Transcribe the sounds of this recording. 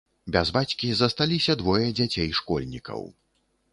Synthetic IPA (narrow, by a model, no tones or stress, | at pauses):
bʲazbat͡sʲkʲizɐst̪alʲisʲɐd̪vɔjɐd͡zʲat͡sʲejʂkɔ̰lʲnʲikʰɐ̰w